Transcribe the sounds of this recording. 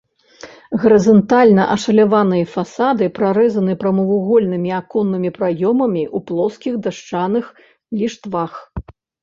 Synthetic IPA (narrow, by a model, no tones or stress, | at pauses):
ɣɐɾɨzɐnt̪alʲnɐʔɐʂɐlʲavanɨjɐfasad̪ɨpɾaɾɛzɐnɨpɾɐmɐvuɣɔlʲnɨmʲiakɔnːɨmʲipɾajɔmɐmʲiʔuplˠɔskʲiɣd̪aʂt͡ʂanɨx | lʲiʂt̪vax